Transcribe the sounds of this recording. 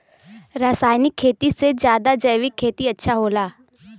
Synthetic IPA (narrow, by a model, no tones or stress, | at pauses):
ɾaːsaːjnɪkʰːeːt̪ised͡ʒjaːd̪ad͡ʒɐjʋɪkʰːeːt̪iɐtːʃʰaɦoːlaː